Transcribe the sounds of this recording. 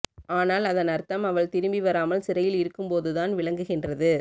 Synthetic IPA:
aːnaːlɐðɐnɐɾt̪ɐmɐʋɐɭt̪ɪɾɯmbiʋɐɾaːmɐlsɪɾɐjɪlɪɾɯkːɯmpoːðɯðaːnʋɪɭɐŋɡɯɣɪndrɐðɯ

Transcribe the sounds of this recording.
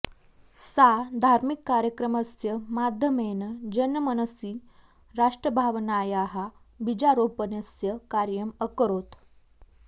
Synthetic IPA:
sad̪ʱaɾmikːaɾjəkɾəməsjəmad̪ʱjəmenəd͡ʑənːəmənəsiː | ɾaʂʈɾəbʱaʋnajaɦa | bid͡ʑaɾopənjəsjəkaɾjəməkəɾoːt̪

